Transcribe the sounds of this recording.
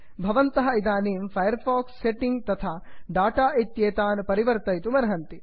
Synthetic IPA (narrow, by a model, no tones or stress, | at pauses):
bʱɐʋɐnt̪ɐɦɐid̪aːniːmpʰɐjɐɾpʰaːksːeʈiŋɡ̚t̪ɐt̪ʰaːɖaːʈaːʔit̪jeːt̪aːnpɐɾiʋɐɾt̪ɐjt̪umɐɾɐɦɐnt̪i